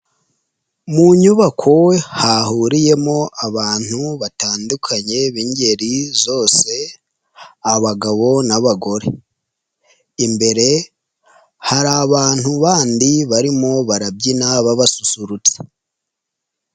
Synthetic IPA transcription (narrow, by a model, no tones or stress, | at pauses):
muɲuβakʰo̞hahuɾije̞mo̞ʔaβaːn̥huβataːndukʰaɲe̞βiɲɟe̞ɾizo̞ːse̞ | aβaɡaβo̞naβaɡo̞ɾe̞ | imbe̞ɾe̞ | haɾaːβaːn̥huβaːndiβaɾimo̞βaɾab̚ɟinaβaβasusuɾut͡se̥